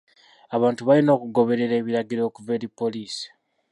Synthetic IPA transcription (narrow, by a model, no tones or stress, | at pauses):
aβaːntuβalino̞ːkuɡo̞βe̞ɾe̞ɾe̞ːβiɾaɡiɾo̞ːkuveɾipo̞liːsi̥